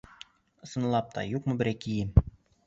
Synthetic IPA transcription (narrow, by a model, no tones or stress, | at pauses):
ɤ̆sɤ̆nlˠɑp̚t̪ʰɑ̰juqmɤ̆bɘ̆ɾækijɘm